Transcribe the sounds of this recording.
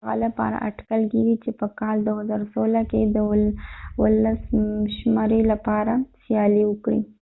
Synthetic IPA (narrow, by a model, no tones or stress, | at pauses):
ɣa̰lapɑ̰ɾa̰ʔaʈkalkiɡit͡ʃepəkɑld̪ohazɑɾosolaked̪əwwəlasʃmɑɾelapɑɾasjɑliwəkɽḭ